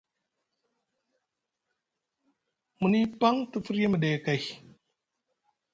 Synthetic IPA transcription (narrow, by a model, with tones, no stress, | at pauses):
mu˨ni˦pa˦ŋtə˦fu˦ɾe˦mə˨ɗe˨ka˨j